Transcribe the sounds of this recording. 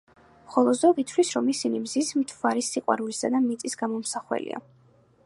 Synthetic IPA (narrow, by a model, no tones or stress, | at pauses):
χɔlˠɔd̪zɔɡit̪ʰvlisɾɔmisinimzismt̪ʰvaɾisiqʼwa̰ɾulisad̪amit̪sʼisɡ̥amɔmsaχwɛ̰lḭa̰